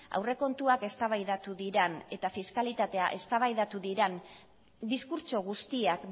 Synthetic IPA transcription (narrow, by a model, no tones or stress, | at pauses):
a̰wre̞ko̞nt̪uake̞st̪aβ̞ajðat̪uðiɾene̞t̪afiskalit̪at̪e̞aʔe̞st̪aβajðat̪uðiɾen | d̪iskuɾt͡ʃo̞ɣ̞ust̪iak